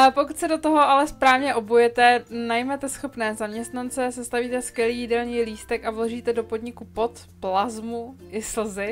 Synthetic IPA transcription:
pokut̪sɛdo̞t̪oɦo̞ʔalɛspɾaːvɲɛʔo̞bujɛt̪ɛnajmɛt̪ɛsxo̞pnɛːzamɲɛst̪nant͡sɛsɛst̪aviːt̪ɛskjɛliːjɪdɛlɲiːliːst̪ɛkavlo̞ʒiːt̪ɛdo̞po̞dɲɪkupo̞t̪ | plazmuʔɪsl̩zɪ

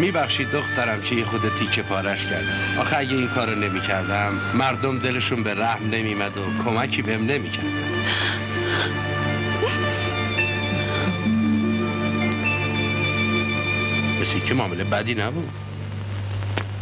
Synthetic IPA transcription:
miːbæxʃiːd̪ːoxt̪dæɾæmcʰejexod̪et̪ʰiːcʰepʰɒːɾæʃcʰæɾd̪ʔɒ̰ːxeæɟeiːnkʰɒːɾone̞miːcʰæɾd̪æmːæɾd̪omd̪e̞le̞ʃunbeɾæhmne̞miːmæd̪okʰomæcʰiːbeemne̞miːcʰæɾd̪æ̰m | mesjecʰemɒːmelebæd̪iːnæbuːd̪̥

